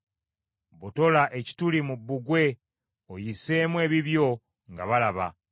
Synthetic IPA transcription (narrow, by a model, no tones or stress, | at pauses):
βuto̞laʔe̞ci̥tulimubːuɡwe̞ | ojise̞ːmwe̞ːβiβjo̞ | ŋɡa̰βalaβa̰